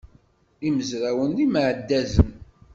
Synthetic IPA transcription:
iməzɾæwənlimʕəd̪ːæzən

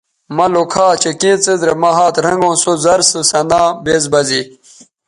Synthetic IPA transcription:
mɐlokʰaːt͡ɕekĩːt͡sezɾemɐɦaːt̪ɾɐŋɡõːsozɐɾsɨsɐnãːbeːzbɐzi

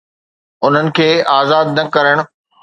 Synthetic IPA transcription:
ʊn̤ənɪ̆kʰeːaːzaːd̪̚nɐkɐɾəɽ̃ʊ̆

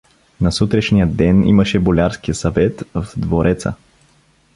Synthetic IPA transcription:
nɐsut̪ɾɛʃnijəd̪ɛnḭməʃɛbolʲaɾskijəsɐvɛt̪vd̪voɾʔɛt̪sə̰

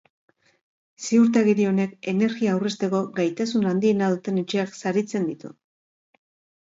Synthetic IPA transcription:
siuɾt̪aɣeɾio̞ne̞ke̞ne̞ɾɣiaːwre̞st̪e̞ko̞ɡajt̪asunand̪ie̞nað̞ut̪e̞ne̞t͡ʃe̞aksaɾit͡se̞nd̪it̪ṵ

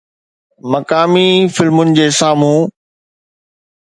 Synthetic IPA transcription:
mɐkaːmifɪlmʊnɪ̆d͡ʑeːsaːmũː

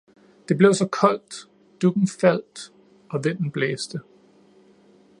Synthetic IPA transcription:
d̥e̝b̥le̝ʊsɒ̽kʰɒ̽l̰d̥ | d̥uɡ̥n̩fæl̰d̥ | ɒ̽ʋen̰n̩b̥leːsd̥ə

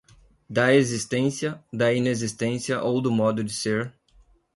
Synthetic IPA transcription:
d̪ɐezist̪ẽsiɐd̪ɐinezist̪ẽsiɐʔowd̪ʊmɔd̪ʊd͡ʒɪseɾ

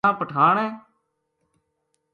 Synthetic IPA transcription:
ãːpəʈʰaːɳɛ̃ː

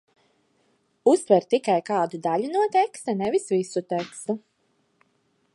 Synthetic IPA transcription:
ust̪vɛɾt̪ikajkaːd̪ud̪aʎunuɔt̪ɛkst̪anɛvisvisut̪ɛkst̪u

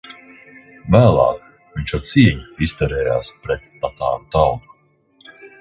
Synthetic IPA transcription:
væːlˠɑ̰ːk | viɲt͡ʃɔt̪siɛɲiist̪ɛɾɛːja̰ːspɾɛt̪ːat̪a̰ːɾut̪alnu

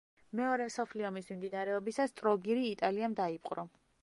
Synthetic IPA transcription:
mɛɔɾɛmsɔpʰliɔmismimd̪inaɾɛɔbisast̪ʼɾɔɡiɾiːt̪ʼaliamd̪aipʼqʼɾɔ

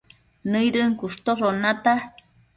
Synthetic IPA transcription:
nɨjɾɨŋkuʂt̪oronat̪a

